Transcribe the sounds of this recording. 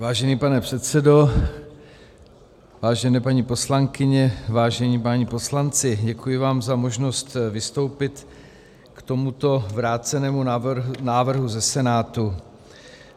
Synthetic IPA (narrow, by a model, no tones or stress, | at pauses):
vaːʒɛniːpanɛpr̥ɛt̪t͡sɛdo̞ | vaːʒɛnɛːpaɲipo̞slaŋkɪɲɛvaːʒɛɲiːpaɲipo̞slant͡sɪɟɛkujɪvaːmzamo̞ʒno̞st̪vɪst̪o̞wpɪt̪ | kt̪o̞mut̪o̞vɾaːt͡sɛnɛːmunaːvr̩ɦuzɛsɛnaːt̪u